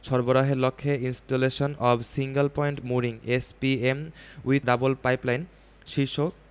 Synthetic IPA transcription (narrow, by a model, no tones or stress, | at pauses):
ʃɔɾboɾaɦeɾlokʰːeinsʈoleʃonɔbsiŋɡelpɔjɳʈmuɾiŋespiemwiɖabolpajplajn | ʃiʃok